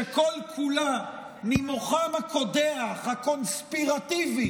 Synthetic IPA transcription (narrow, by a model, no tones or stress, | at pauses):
ekolkʰula | nimoχamako̞deaχhako̞nspiʁat̪ivi